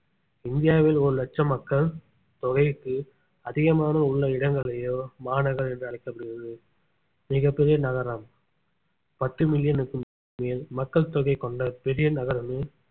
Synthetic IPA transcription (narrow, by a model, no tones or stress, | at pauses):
ɪnd̪ɪjaːʋɪlɔɾɯlɛt͡ʃːɐmɐkːɐɭ | t̪ɔɣɐɪkːɯ | ɐðɪɣɐmaːnɐʊɭːɐɪɽɐŋɡɐɭɐjoːmaːnɐɣɐɾɛndrɯɐɭɐɪkːɐpːɐɽɪɣɪɾɐðɯ | mɪɣɐpːɛɾɪjɐnɐɣɐɾɐm | pɐʈːɯmɪljɐnɯkːɯ | meːlmɐkːɐɭt̪ɔɣɐɪkːɔɳɖɐpɛɾɪjɐnɐɣɐɾɐmeː